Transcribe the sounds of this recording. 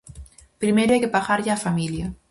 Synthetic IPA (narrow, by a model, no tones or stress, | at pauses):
pɾimeɾajkepaɣaɾʎaːfamilja